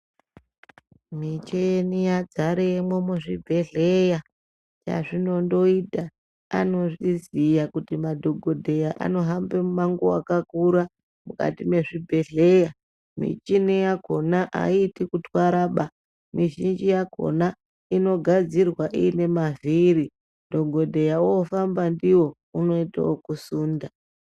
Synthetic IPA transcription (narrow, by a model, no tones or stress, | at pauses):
mit͡ʃenijad͡zaɾemwomuʐibʱe̞ɮeja | t͡ʃa̰ʐino̞ndo̞ita | a̰no̞ʐizijakutimadʱo̞ɡʱodʱe̞jaʔa̰no̞ɦambe̞mumaŋɡoakakuɾa | muka̰time̞ʐibʱe̞ɮe̞ja | mḭt͡ʃinejako̞naʔa̰itikutwaɾaɓa | miʒind͡ʒijako̞̰na | ino̞ɡʱad͡zirwaʔḭːne̞maviɾi | dʱo̞ɡʱodʱejaoːfambandiwo̞ | uno̞ita̰okusuːnda